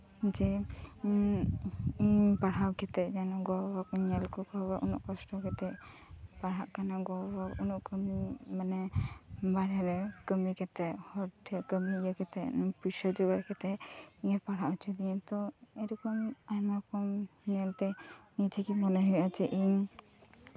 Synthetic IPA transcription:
d͡ʒɛ | iɲpaɽ̤awkɛt̪ɛʔd͡ʒanɔɡɔwakɔɲɛlkɔkɔbaʔunɔ̰ʔkɔsʈɔkɛt̪ɛʔ | paɽ̤aʔkanaɡɔbaunɔʔkəmimanɛbaɾɛɾɛkəmikɛt̪ɛʔhɔʈʰɛkəmijakɛt̪ɛʔpusad͡ʒubaɾkɛt̪ɛiɲapaɽ̤aʔut͡ʃʰud̪iɛ̃t̪ɔɛɾɔkɔmajmaɾkɔmɲɛlt̪ɛɲit͡ʃʰikimɔnɔɦujʔat͡ʃɛʔiɲ

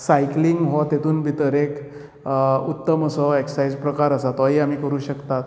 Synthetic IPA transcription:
sajkliŋɡɦɔt̪et̪uːnbʱit̪əɾek | ut̪ːəməsɔeksajd͡zpɾəkaɾəsat̪ɔɦiːamiːkəɾuːɕəkt̪at̪

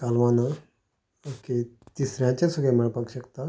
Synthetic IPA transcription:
kalʋãna | oket̪isɾjãt͡ɕasuɡeməɭpakɕəkt̪a

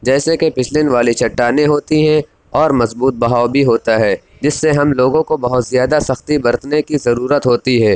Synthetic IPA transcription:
d͡ʒɛːsekepɪt͡ʃʰlɪnʋaːlit͡ʃʰɐʈːaːneɦoːt̪iɦɛ̃ | ɔːɾmɐzbuːt̪̚bɐɦaːobʱiɦoːt̪aɦɛː | d͡ʒɪsːeɦɐmloːɡõkobɐɦʊt̪zijaːd̪asɐxt̪ibɐɾt̪nekizɐɾuːɾət̪ɦoːt̪iɦɛ̃ː

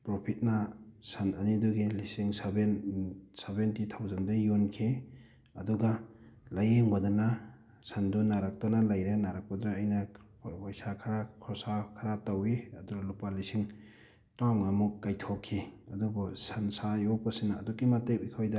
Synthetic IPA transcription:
pɾɔpʰit̚nasananiduɡilisiŋsabensebentitʰawzandujunkʰi | ɐduɡalajeŋbadɔna | sandunaɾak̚tanalajɾenaɾak̚padɔnaːjna | pajsakʰaɾakʰɔsakʰaɾatawiɐduɡalupalisiŋ | tɾamŋamukːajtʰɔkʰːiɐdubɔsansajɔpasinaːdɔkːimatek̚ikʰojda

